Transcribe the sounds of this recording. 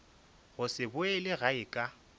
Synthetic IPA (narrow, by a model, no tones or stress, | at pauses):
ɣʊsɪbʊɛlɪɣaɪkʼa